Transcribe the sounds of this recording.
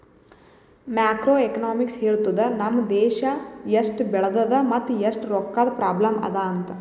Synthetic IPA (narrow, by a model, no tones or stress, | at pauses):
mjaːkɾoːekɐnaːmiksheːɭt̪ud̪ɐnɐmːɐd̪ɛːʃɐjɐsʈbɛɭɐd̪ɐd̪ɐmɐt̪ːjɐsʈɾɔkːaːd̪ɐpɾaːblɐmɐ̰d̪aːɐnt̪ɐ